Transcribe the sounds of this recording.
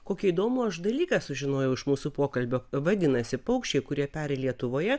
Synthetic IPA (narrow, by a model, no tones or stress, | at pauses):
koːkʲiiːd̪oːmʊɐʃd̪ɐlʲiːkɑsʊʒʲɪnoːjɛʊɪʃmuːsupoːkɐlʲbʲoːʋɐd̪ʲɪnɐsʲɪpɐʊkʃʲt͡ʃʲɛɪkʊɾʲiɛpʲæːɾʲeːlʲiɛt̪ʊʋoːjɛ